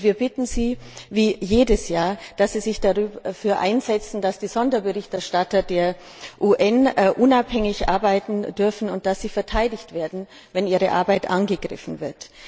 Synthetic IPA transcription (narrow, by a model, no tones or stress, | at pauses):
viːɐbɪtn̩ziːviːjeːdəsjaːɐd̥asz̥iːzɪçd̥aʁyːbɐfyːɐʔa̰ɪnzɛt͡sn̩d̥asd̥iːzɔndɐbəʁɪçtɛɐʃtatɐdeːɐ | ʔuːʔɛnʔʊnaphɛŋɪçʔa̰ɐbaɪtn̩dʏɐfn̩ʊnt̚d̥asz̥iːfɛɐtʰaɪdɪçtv̥eːɐdn̩ | vɛniːʁəʔa̰ɐbaɪtʔanɡəɡʁɪ̰fn̩vɪɐt